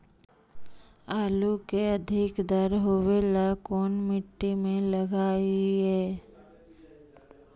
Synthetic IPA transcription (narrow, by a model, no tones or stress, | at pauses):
aːlukeɐd̪ʱɪkd̪əɾɦoʋelakɔːnmɪʈːimẽləɡaːiɦɛː